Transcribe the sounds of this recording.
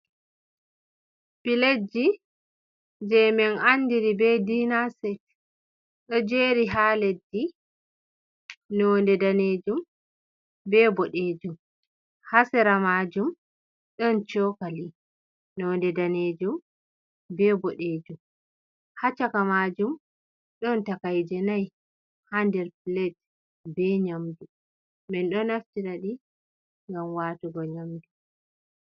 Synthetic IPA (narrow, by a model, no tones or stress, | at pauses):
piled͡ʒi | d͡ʒɛmɛnandiɾibɛdinasɛt | ɗɔd͡ʒeːɾiɦaːled͡ʒːi | nɔːndɛdaned͡ʒum | bɛbɔɗeːd͡ʒum | hasɛɾamad͡ʒum | ɗɔnt͡ʃɔkali | nɔndɛdaned͡ʒum | bɛbɔɗeːd͡ʒum | hat͡ʃakamad͡ʒum | ɗɔntakajd͡ʒɛnaj | handɛɾplɛt | bɛɲamdu | bɛnɗɔnaftiɾaɗi | ŋɡamwatuɡɔɲamdu